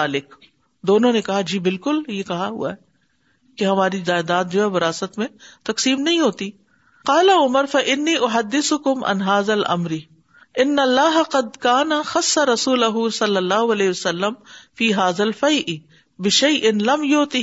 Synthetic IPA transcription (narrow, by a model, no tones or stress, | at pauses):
aːlɪk | d̪oːnõnekɐɦad͡ʒiːbɪlkʊljekɐɦaɦʊ̰a̰ɦɛ | keɦɐmaːɾizaːɪd̪aːt̪̚d͡ʒoːɦɛʋɐɾaːsət̪mẽt̪ɐqsiːmnɐɦĩɦoːt̪i | qɑːlaʊməɾfɐʔɪnːiːʔʊɦɐd̪ːɪsʊkʊmʔa̰nɦaːðɐlʔɐ̰mɾɪ | ʔɪnːɐlːaːɦɐqɐd̪kaːnɐxɐsːaɾɐsuːlɐɦʊsɐlːɐlːaːɦʊɐlɛːɦɪʋɐsɐlːɐmfiːɦaːðɐlfɐjʔɪ | bɪʃɐjʔɪnlɐmjoːt̪ɪ